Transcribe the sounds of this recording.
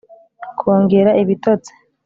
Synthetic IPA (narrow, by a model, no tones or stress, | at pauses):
kʰoːŋɡeɾaʔiβitot͡se̥